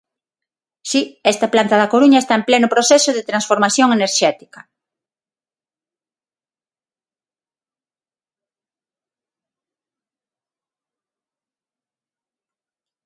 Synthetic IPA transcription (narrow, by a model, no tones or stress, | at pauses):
siɛst̪ɐplant̪ɐðakoɾuɲaest̪aemplɛnʊpɾoθɛsʊðet̪ɾansfoɾmaθjoŋeneɾʃɛt̪i̥kɐ